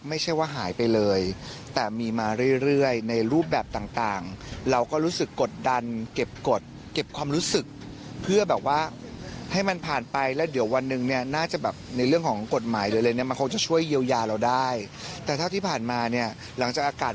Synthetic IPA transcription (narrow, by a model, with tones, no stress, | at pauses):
ma˥˩jt͡ɕʰa˥˩jwaː˥˩ɦaː˩˦jpa˧jlɤː˧jt̪ɛː˨˩miː˧maː˧ɾɯ˥˩jɾɯ˥˩əjna˧jɾuː˥˩p̬̚bɛː˨˩p̚t̪aː˨˩ŋt̪aː˨˩ŋɾa˧wkɔː˥˩ɾuː˦˥sɯ˨˩kːo˨˩t̪̚da˧nke˨˩p̚ko˨˩t̪̚ | ke˨˩p̚kʰwaː˧mɾuː˦˥sɯ˨˩k̚ | pʰɯ˥˩ɐbɛː˨˩p̚waː˥˩ha˥˩jma˧npʰaː˨˩npa˧jlɛ˦˥wdi˨˩˦əwːa˧nːɯ˨˩ŋni˥˩ɐnaː˥˩t͡ɕa˨˩bɛː˨˩p̚na˧jɾɯ˥˩əŋkʰɔː˩˦ŋko˨˩t̪̚maː˩˦jlɤː˧jlːjni˥˩ɐma˧nkʰo˧ŋt͡ɕa˨˩t͡ɕʰu˥˩əjːi˧əwjaː˧ɾa˧wdaː˥˩j | t̪ɛː˨˩t̪ʰa˥˩t̪ʰiː˥˩pʰaː˨˩nmaː˧ni˥˩ɐ | la˩˦ŋt͡ɕaː˨˩k̚ʔaː˧kaː˨˩t̪